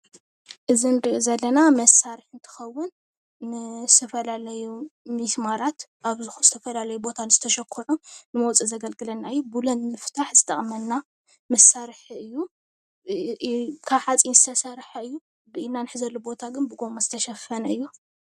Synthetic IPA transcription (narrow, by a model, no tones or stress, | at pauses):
ʔɨzinɨɾiʔozɐlːɐnamɐsaɾiħɨnt̪ʰɨ̥xɐwːʊnː | ɨzɨ̥t̪ʰɐfɐlalɐjumismaɾat̪ʔaβzɨxuzɨt̪ʰɐfɐlalɐjubo̞t̪ʰanɨzɨt̪ʰɐʃɐkʰːɐʕunɨmɐwt͡sʼizɐɡɐlɡɨlɐnːaɨjːubulɐnmɨft̪ʰaħzɨt̪ʼɐχʼmɐnːa | mɐsaɾħɨjːu | kʰaβħat͡sʼinzɨt̪ʰɐsɐɾħaɨjːu | bɨinːanɨħɨzɐlːobo̞t̪ʰaɡɨnbɨɡo̞mazɨt̪ʰɐʃɐfɐnɐɨjːu